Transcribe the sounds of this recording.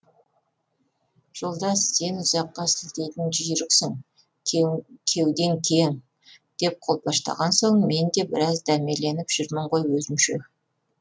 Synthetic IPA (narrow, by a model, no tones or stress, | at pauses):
ʒ̥o̞lˠd̪ɑsse̞nʊzɑqːɑsɪlt̪ejt̪ɪnʒijɾɪksɪŋ | kʲʰe̞wd̪e̞ŋkʲʰejŋ | d̪̥e̞p̚qʰo̞lˠpɑʃt̪ɑ̰ʁɑnso̞ɴme̞nd̪e̞bɪɾɑzd̪æɾme̞le̞nɪpʒ̥ʏɾmɪɴʁojwɵzɪmʃḛ